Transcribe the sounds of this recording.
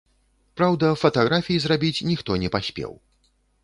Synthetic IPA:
pɾawd̪ɐfɐt̪aɣɾafʲijizrabʲit͡sʲnʲixt̪ɔnʲɛpasʲpʲɛ̰w

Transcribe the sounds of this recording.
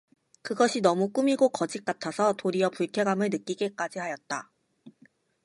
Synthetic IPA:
kɯɡʌɕʰinʌmuk͈umiɡokʌd͡ʑik̚k͈atʰasʰʌtoɾiʌpuɭkʰeɡamɯɭnɯk͈iɡe̞k͈ad͡ʑihajʌt̚t͈a

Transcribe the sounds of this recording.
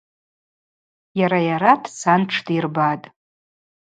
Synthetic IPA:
jaɾajaɾadʰsanʈ͡ʂʰtʰʼirbatʼ

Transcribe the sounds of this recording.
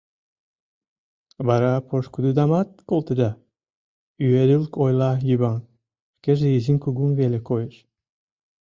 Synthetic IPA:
βɑɾɑpʰoʃkud̪ud̪ɑmɑt̪̚kolˠt̪ed̪ɑ | yeɾɯlkojlˠɑjyβɑŋ | keʒeiziŋkuɡuŋvelʲekojeʃ

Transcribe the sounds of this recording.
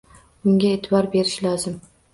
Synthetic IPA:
ʊŋɡʲaet̪ʰɪbɒɾbe̞ɾɪʃlɒzɪm

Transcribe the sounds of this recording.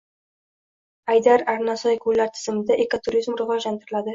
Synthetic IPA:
ajd̪aɾaɾnasɒjkʰʊlːaɾt̪ʰɪ̥z̥ɪmɪd̪aʔekot̪ʰʊɾizmɾʊʁɑlant̪ʰɪɾɪlad̪ɪ

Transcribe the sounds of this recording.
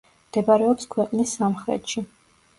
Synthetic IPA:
md̪̥ɛbaɾɛɔpskʰwɛqʼnisːamχɾɛ̰t̪ʃi

